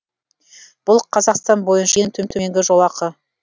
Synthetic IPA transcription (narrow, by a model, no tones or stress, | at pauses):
b̥ʊlˠqʰɑzɑqst̪ɑnbo̞jənʃɑent̪ʰɵmt̪ʰʏme̞ŋɡʲɪʒo̞lˠɑqə